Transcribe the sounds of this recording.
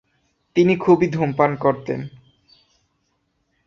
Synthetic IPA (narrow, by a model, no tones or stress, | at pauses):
t̪inikʰubid̪ʱompankoɾt̪ḛn